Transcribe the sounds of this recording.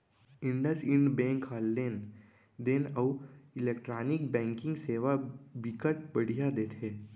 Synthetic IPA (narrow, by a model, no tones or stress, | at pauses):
ɪ̃ɳɖəsɪ̃ɳɖbɛ̃ːŋkʰaːlːeːn | d̪eːnəwɪlek̚ʈɾaːnɪk̚bɛ̃ːŋkɪ̃ŋɡseːʋabɪkəʈ̚bɐɽ̤ijad̪eːt̪ɦeː